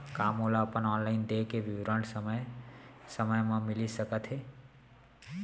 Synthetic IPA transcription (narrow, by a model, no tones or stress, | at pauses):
kamolaəpənɔːnlaɪnd̪ekeʋiwɾə̃ɳʈsəməjsəməjmãmilisəkət̪ʰɦe